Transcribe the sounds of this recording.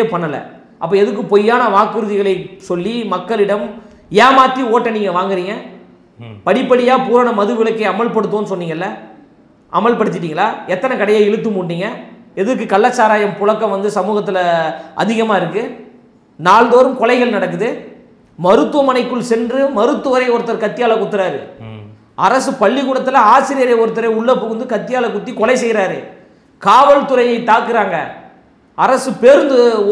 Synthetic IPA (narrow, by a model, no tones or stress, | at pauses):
epɐɳːɐlɐ̰ | ʔɐpːɐɛðɯkːɯpɔjːaːnɐʋaːkːɯɾɯðɪɣɐɭɐɪsɔlːimɐkːɐɭɪɽɐm | jaːmaːt̪ːioːʈːɐniːŋɡɐʋaːŋɡɪɾiːŋɡɐ | pɐɽɪpːɐɽɪjaːpuːɾaːnɐmɐðɯʋɪɭɐkːɐɪɐmɐɭpɐɽɯt̪̬ːõːnɯsɔnːiːŋɡɐɪlːɐ | ʔɐmɐɭpɐɽɯt̪ːɪʈ̬ːiːŋɡɐɭlaːɛt̪ːɐnɐkɐɽɐjaːɪɻɯt̪ːɯmuːɳɖiːŋɡɐɛðɯk̬ːɯkɐlːɐt͡ʃːaːɾaːjɐmpʊɻɐkːɐ̃mʋɐnd̪ɯsɐmuːɣɐt̪̬ːɪlɐʔɐ̰ðɪɣɐmaːɪɾɯkːɯ | naːɭd̪oːɾɯmkɔlɐɪɣɐɭnɐɽɐk̬ːɯðɯ | mɐɾɯt̪ːɯʋɐmɐnɐɪkːɯɭsɛndrɯmɐɾɯt̪ːɯʋɐɾɐɪɔɾɯt̪ːɐɾɯkɐt̪ːɪjaːlɐkːʊt̪ːɯɾaːɾɯ̰ | ɐɾɐsɯpɐɭːiɣuːɽɐt̪ːɯlɐaːsɪɾɪjɐɾɐjɐɔɾɯt̪ːɐɾɐɪʊɭːɐpɔɣɯnd̪ɯkɐt̪ːɪjaːlɐkːʊt̪ːikɔlɐɪsɛjɾaːɾɯ̰ | kaːʋɐlt̪ʊɾɐjɐɪt̪ːaːkːɯɾaːŋɡɐ̰ | ɐɾɐsɯpeːɾɯnd̪ɯ